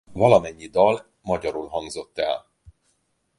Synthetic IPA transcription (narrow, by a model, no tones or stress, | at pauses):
vɒlɒmɛɲːid̪ɒl | mɒɟɒɾulɦɒŋɡzo̞t̪ːɛl